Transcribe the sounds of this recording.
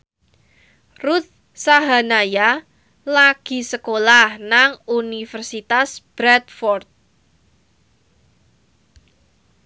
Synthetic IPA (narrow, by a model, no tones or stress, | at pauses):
rut̪̚ | saɦanaja | laɡ̥i̤səkolahnaŋunifərsit̪asb̥ɾɛt̪̚fɔrt̪̚